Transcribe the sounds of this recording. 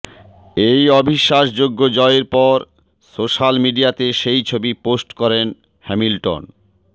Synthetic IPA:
ejɔbʱiʃːaʃd͡ʑoɡːod͡ʑɔeeɾpɔɾ | soʃalmiɖiat̪eʃejt͡ɕʰobiposʈkɔɾen | hɛmilʈo̰n

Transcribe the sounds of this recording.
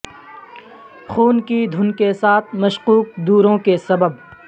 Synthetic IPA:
xuːnkid̪ʱʊnkesaːt̪ʰmɐʃquːq̚d̪uːɾõkesɐbəb

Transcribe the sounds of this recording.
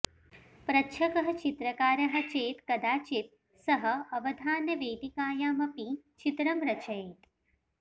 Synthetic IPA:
pɾɐtːʃʰɐkɐɦɐ̆t͡ʃit̪ɾɐkaːɾɐɦɐ̆t͡ʃeːt̪kɐd̪aːt͡ʃit̪̚ | sɐɦɐ̆ɐʋɐd̪ʱaːnjɐʋeːd̪ikaːjaːmɐpit͡ʃit̪ɾɐmɾɐt͡ʃɐeːt̪

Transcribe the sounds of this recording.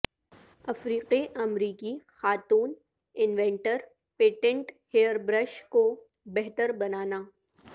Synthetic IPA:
ɐfɾiːqiʔɐmɾiːkixaːt̪uːn | ɪnʋẽːɳʈəɾ | peːʈẽɳʈheːəɾbɾəʃko | bɛɦt̪əɾbɐnaːnaː

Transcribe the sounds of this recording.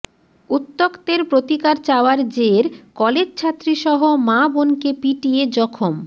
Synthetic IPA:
ut̪ːokt̪eɾpɾot̪ikaɾt͡ɕaoaɾd͡ʑeɾkɔled͡ʑt͡ɕʰat̪ːɾiʃɔɦomabonkepiʈijed͡ʑɔkʰom

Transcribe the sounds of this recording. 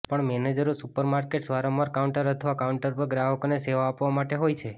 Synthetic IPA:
pəɳmɛned͡ʒəɾosupəɾmaɾkeʈsʋaɾamaɾkauɳʈəɾət̪ʰʋakauɳʈəɾpəɾɡɾaɦəkoneseʋaːpʋamaʈeɦojt͡ʃʰe

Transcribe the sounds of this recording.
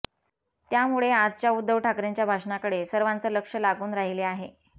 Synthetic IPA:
t̪jamuɭead͡zt͡ɕjaud̪ʱːəʋʈʰakɾeɲt͡ɕjabʱaʂnakəɽesəɾʋant͡səːləkʂəlaɡuːnɾaɦileaɦe

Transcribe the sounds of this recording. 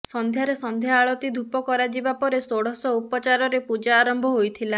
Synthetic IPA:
sɔnd̪ʱjaɾesɔnd̪ʱjaːɭɔt̪id̪ʱupɔkɔɾad͡ʒibapɔɾesoɽɔsɔupɔt͡ʃaɾɔɾepud͡ʒaːɾɔmbʱɔɦojt̪ʰila

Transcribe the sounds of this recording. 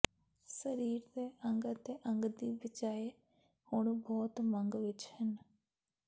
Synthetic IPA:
səɾiːɾd̪eːʔəŋɡət̪eːʔəŋɡd̪iːbɪt͡ʃaːe | hʊɳbɔːt̪məŋɡʋɪt͡ʃhən

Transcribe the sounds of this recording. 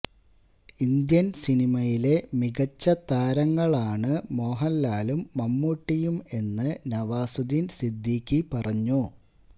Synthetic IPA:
ind̪jɐnsinimɐjile̞miɣɐt͡ɕːɐt̪aːɾɐŋːɐɭaːɳɨmo̞ːɦɐlːaːlumːɐmːuʈːijume̞nːɨnɐʋaːsud̪insid̪ʱːiːkʲːipɐrɐɲːu

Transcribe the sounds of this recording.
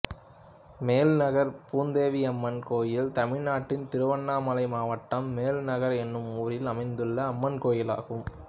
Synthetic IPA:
meːlnɐɣɐɾpuːnd̪eːʋiɐmːɐnkoːjɪlt̪ɐmɪɻnaːʈːɪnt̪ɪɾɯʋɐɳːaːmɐlɐɪmaːʋɐʈːɐmːeːlnɐɣɐɾɛnːɯmuːɾɪlɐmɐɪnd̪ɯɭːɐːmːɐnkoːjɪla̰ːɣɯm

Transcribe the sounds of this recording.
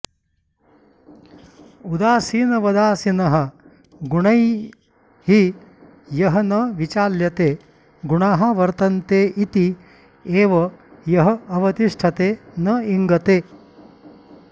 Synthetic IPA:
ud̪aːsiːnɐʋɐd̪aːsinɐɦɐ | ɡuɳɐj | hi | jɐɦɐnɐʋit͡ʃaːljɐt̪eː | ɡuɳaːɦɐʋɐɾt̪ɐnt̪eːʔit̪i | eːʋɐjɐɦɐɐʋɐt̪iʂʈʰɐt̪eːnɐiŋɡɐt̪eː

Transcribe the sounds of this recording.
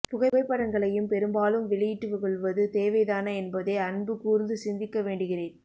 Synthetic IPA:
pʊɣɐɪʋɐɪpːɐɽɐŋɡɐɭɐjɯmpɛɾɯmbaːlɯmʋɪɭɪjɪʈːɯʋɐɣɔɭʋɐðɯt̪eːʋɐɪðaːnɐɛnbɐðɐɪɐnbɯkuːɾnd̪ɯsɪnd̪ɪkːɐʋeːɳɖɯɣɪreːn

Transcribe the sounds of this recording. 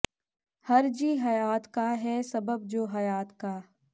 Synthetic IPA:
hɐɾd͡ʒiːɦɐjaːt̪kaɦɛsɐbəb̚d͡ʒoːɦɐjaːt̪kaː

